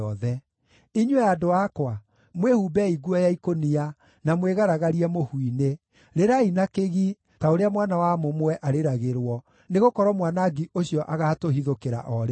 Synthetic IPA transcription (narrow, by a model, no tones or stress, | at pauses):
ɔðɛ | iɲwɛadoakwa | mwehubɛiɡuɔjaikonia | namweɣaɾaɣaɾiɛmohwine | ɾeɾainakeɣi | taoɾeamwanawamomwɛʔaɾeɾaɣeɾwɔ | neɣokɔɾɔmwanaɡiʔoɕjɔʔaɣaːtoɦiðokeɾa̰ʔɔɾe